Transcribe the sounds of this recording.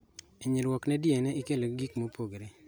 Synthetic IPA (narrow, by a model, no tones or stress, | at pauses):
eɲelwɔknɛdjɛnɛikeloɡikmopoɡɾe